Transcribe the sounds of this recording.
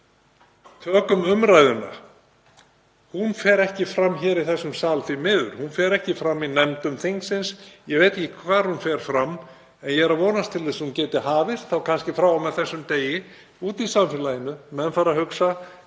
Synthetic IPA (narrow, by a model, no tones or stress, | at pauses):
t̪ʰœːkʏmʏmɾajðʏna̰ | hunfɛːɾɛhcɪfɾamːçɛːɾiθɛsːʏmsaːlθimɪːðʏ̰ɾ̥hunfɛːɾɛhcɪfɾamːinɛmt̪ʏmθiŋksɪnsjɛɣveːjt̪ecɪkʰvaːɾ̥hunfɛɾ̥fɾamː | ɛnjɛɾavɔːnast̪ʰɪlθɛshuncɛːt̪ɪɦaːvɪr̥t̪θawkʰanscɪfɾawawmɛðθɛsːʏmt̪eːjɪ | uːt̪isamfɪlaːjɪnʏmɛðnfaːɾahʏksa